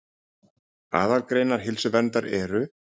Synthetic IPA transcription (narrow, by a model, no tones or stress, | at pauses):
a̰ːðalkɾeːjnaɾ̥ɦɪlsʏvɛnt̪aɾɛɾʏ